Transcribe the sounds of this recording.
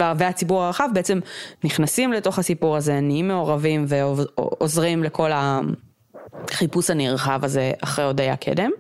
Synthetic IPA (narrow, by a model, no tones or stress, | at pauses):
vveat͡sibuʁaʁaχavbeet͡se̞mniχnasimleto̞χhasipuʁaze̞niimːe̞oʁavimve̞ozʁimlekʰo̞la | χipushaniʁχavazea̰χʁejodeja̰kʰḛdem